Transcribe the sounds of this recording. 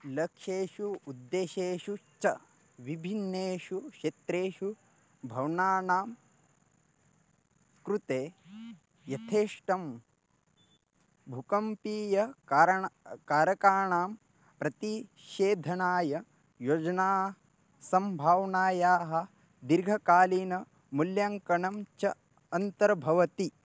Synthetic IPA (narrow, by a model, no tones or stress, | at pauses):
lɐkʃeːʃuud̪ːeːʃeːʃut͡ʃɐ | ʋibʱinːeːʃuʃet̪ɾeːʃu | bʱɐwnaːnaːm | kɾut̪eː | jɐt̪ʰeːʂʈɐm | bʱukɐmpiːjɐɾkaːɾɐkaːɳaːm | pɾɐt̪i | ʃeːd̪ʱɐnaːjɐ | jod͡ʒɐnaː | sɐmbʱaːwnaːjaːɦɐ̆ | d̪iɾɡʱɐkaːliːnɐ | muljaŋkɐɳɐmt͡ʃɐː | nt̪ɐɾɐbʱɐʋɐt̪i